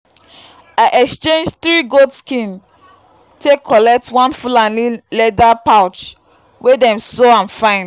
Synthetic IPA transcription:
aɪʔɛkst͡ʃẽnd͡ʒθɹiɡodskĩn | tʰekʰɔlɛk̚tʰwɔ̃nfulãnlilɛdapaʊt͡ʃ | wedɛ̃msoãnfãɪ̃n

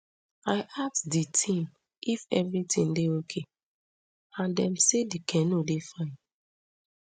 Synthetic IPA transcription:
aɪʔaksditʰĩm | ʔifɛvɹitʰĩndeokʰe | ãndɛ̃msedikʰɛ̃nodefãɪ̃n

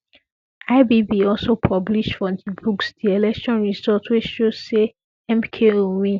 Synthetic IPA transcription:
aɪbibiɔlsopʰɔbliʃtfɔdibuksd̥ielɛkʃɔ̃nɹizɔtwit͡ʃʃozse | ɛ̃mkʰeõwĩ

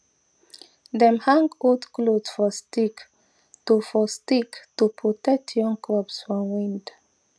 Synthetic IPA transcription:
d̪ɛ̃mhãŋɡodklodsfɔstik | tufɔstiktupʰɹɔtɛk̚tʰjɔ̃ŋkʰɹɔpsfɹɔ̃mwĩnd

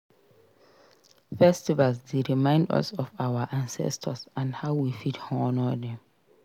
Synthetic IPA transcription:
fɛstivalsdeɹimãɪ̃ndɔ̰sɔfawaʔãnsɛ̰stʰəsãnhaʊwifithɔnɔdɛ̃m

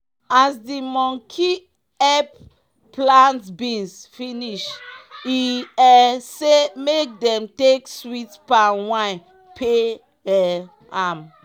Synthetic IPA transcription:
asdimɔ̃ŋkʰi | ɛp | plãntbĩnsfiniʃiɛsemek̚dɛ̃mtekswitpanwã | pʰe | ɛ | am

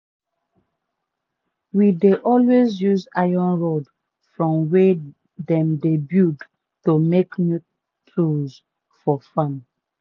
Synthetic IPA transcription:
wideʔɔlwezjuzajɔ̃nɹod | fɹɔ̃mwe | dɛ̃mdebjud | tomeknu | tʰɹuz | fɔfãm

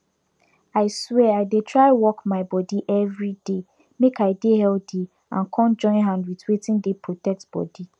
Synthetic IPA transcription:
aɪswɛaɪdetʰɹaɪwɔkmaɪbɔdiʔɛvɹide | mekʰaɪdehɛlde | ã̰nkʰɔ̃nd͡ʒɔ̃ɪ̃nɦãndwitwetʰɪ̃ndepʰɹotʰɛk̚tb̥ɔ̰di

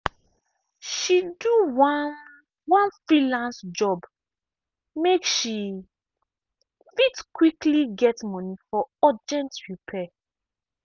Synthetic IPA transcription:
ʃidu | wɔ̃nfɹilãnsd͡ʒɔb | mekʃi | fitkwikliɡɛtmɔ̃nifɔɔd͡ʒɛ̃ntɹupʰɛ

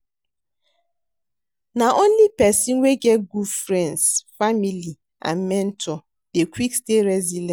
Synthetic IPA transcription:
naʔonlipɛsĩnweɡɛt̚ɡufɾɛ̃ndsfamili | a̰nmɛ̃n̩tʰɔ | dekʷwiksteɾɛzilɛ̃

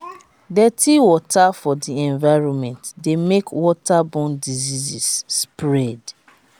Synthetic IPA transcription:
dɛtʰiwɔtʰafɔdiɛ̃nvaɪɹɔ̃nmɛ̃ntdemekwɔtabɔ̃ndizizisːpɹɛd

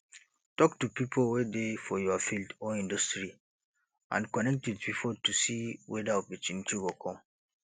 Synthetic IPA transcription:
tɔktupipʰowedefɔjɔafildɔĩndɔstɹi | ʔã̰nkɔnɛk̚twitpipʰotusiwʔɛdaubit͡ʃĩntiwikʰɔ̃m

